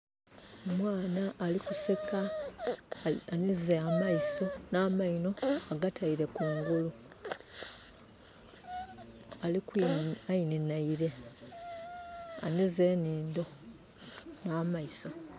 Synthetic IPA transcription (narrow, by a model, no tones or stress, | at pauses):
omwaːnaʔːlikuse̞ka | anizeamaiso̞naːmaino̞aɡatʰaiɾe̞kuːŋɡulu | alikuaininaiɾe̞ | a̰nizeːniːndo̞ | naːmaiso̞